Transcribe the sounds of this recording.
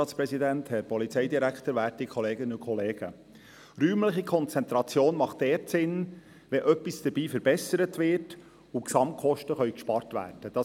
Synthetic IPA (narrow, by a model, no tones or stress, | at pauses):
ɑːtspɾɛsidænthɛɾpɔlit͡sɛjd̪iɾækχt̪əɾʋæːtikʰχɔleːɡənəʊkʰɔleːɡ̥ə̰ | ryːmləχikʰɔnt͡sɛnt̪ɾɑt͡sjoːnmɑχtdɛːɾtsɪn | ʋɛʔœpːisd̥əɾbiːfəɾb̥ɛsəɾətʋɪːɾt | uksɑmt̚kχɔʃtəχœʏkʃpɑrtʋæ̰ːrd̥əd̥ɑ